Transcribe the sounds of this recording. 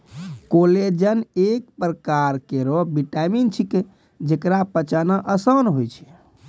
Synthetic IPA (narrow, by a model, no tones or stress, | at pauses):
koled͡ʒənek̚pɾəkaɾkeɾɔbiʈamint͡ʃʰike | d͡ʒekɾapət͡ʃanəʔəsənɦojt͡ʃʰɛ̥